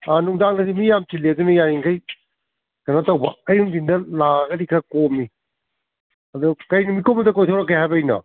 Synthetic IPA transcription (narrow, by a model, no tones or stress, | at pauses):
anuŋdaŋnɐdimijamtilːeɐdunɐjajiŋkʰɐj | kɐnatɐwbɐɐjuŋdindɐlaɡɐɾikʰɐkomːi | ɐdukɐjnumikombɐdɐkojtʰowɾɐkːejhajbɐːjnɐ̰